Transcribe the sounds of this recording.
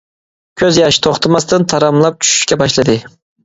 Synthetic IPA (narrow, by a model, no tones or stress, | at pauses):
kʲʰøzjɑʃi̥t̪ʰoχt̪ʰɑmɑst̪ɨnt̪ʰɑɾɑmlˠɑp̚t͡ʃʰy̥ʃy̥ʃkʲɛbɑʃlˠɨd̪ɨ